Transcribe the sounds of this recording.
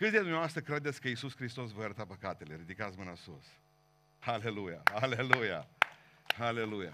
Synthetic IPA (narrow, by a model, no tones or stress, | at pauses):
kɨt̪ʲed̪umneavast̪ɾəkɾe̞d̪et̪sʲkəisusxɾist̪o̞s̬vojəɾət̪apəkat̪e̞le̞ɾid̪ikat̪smɨnasos | hale̞luja̰haleluja̰ | hale̞luja̰